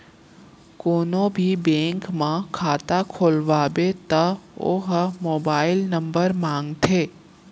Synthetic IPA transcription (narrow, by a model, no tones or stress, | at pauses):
konobʱibẽŋkmãkʰat̪akʰolʋabet̪əo̰ɦəmobailnəmbəɾmãŋɡt̪ʰe